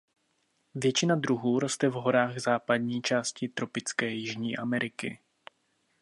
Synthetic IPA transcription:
vjɛt͡ʃɪnad̪ɾuɦuːɾo̞st̪ɛvɦo̞ɾaːɣzaːpadɲiːt͡ʃaːscɪt̪ɾo̞pɪt͡skɛːjɪʒɲiːʔamɛɾʔɪkɪ̰

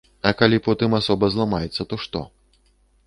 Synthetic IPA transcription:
ɐkalʲipɔt̪ɨmasɔbɐzlˠamajɛt̪sːɐt̪ɔʂt̪ɔ̰

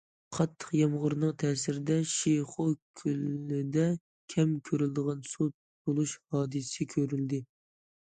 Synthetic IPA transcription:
qʰɑt̪ʰːə̥qjɑmʁʊɾnəŋt̪ʰɛːsɪɾɪd̪ɛʃiχokʲʰylːɪd̪ɛ | kʲʰɛmkʲʰøɾyld̪əʁɑnsut̪̚ː | olˠuʃhɑːd̪ɨsɨkʲʰøɾyld̪ɪ

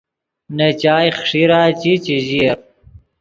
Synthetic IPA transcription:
nɐt͡ɕaːjχʂiɾaːt͡ɕit͡ɕiʑieɾ

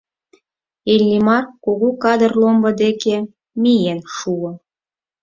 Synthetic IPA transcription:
elʲːimɑrkoɣukɑd̪ərlombɤ̆d̪eke | mijenʃuo

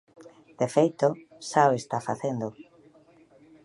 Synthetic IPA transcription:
d̪̥efejt̪o | saoest̪afa̰θend̪o

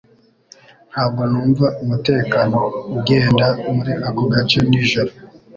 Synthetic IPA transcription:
n̥haːb̚ɡonuːɱvaʔumute̞ːkano̞uɡe̞ːndamuɾiʔaɡoɡat͡ʃe̞niʒoɾo

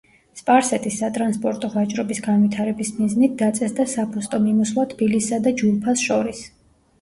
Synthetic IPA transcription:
spʼaɾsɛt̪ʼisːat̪ʼɾanspʼɔɾt̪ʼɔvat͡ʃʼɾɔbisɡanvwit̪ʰaɾɛbismiznit̪̚d̪at̪sʼɛsd̪asapʰust̪ʼɔmimɔslˠat̪ʰbilisːad̪ad͡ʒulˠpʰasʃɔɾis

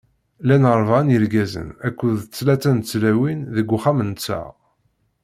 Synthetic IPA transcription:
lænəɾˤvɑnjəɾɡæzə̰nækʷːuðt͡sːlæt͡sænt͡sːlæwinðəɡʷːuχæmənt͡sːæ̰ʁ

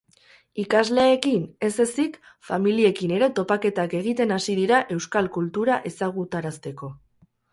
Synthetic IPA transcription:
ikazle̞ːkine̞se̞sik | familie̞kine̞ɾe̞t̪o̞pake̞t̪ake̞ɣ̞it̪e̞nasiðiɾaʔe̞wskalkult̪uɾaʔe̞saɣ̞ut̪aɾast̪e̞ko̞

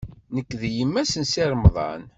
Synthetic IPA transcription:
nəkːðjəmːæsənsiɾˤmðˤɑ̰n

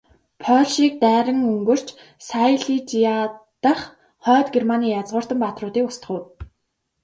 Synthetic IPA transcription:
pʰɔɮʃiːk̚t̪æːɾə̆ŋɵŋɡɵ̆r̥t͡ɕ | sajɮit͡ɕiat̪ə̆χ | χœːt̪ɡermaniːjat͡sʁʊːr̥t̪ə̆mpat̪rʊːt̪iːkʊst̪ʰə̆χʊ̆ːt̪

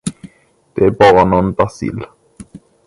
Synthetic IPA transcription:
d̪̥ɛæbɑːɾanoːnbasḭl

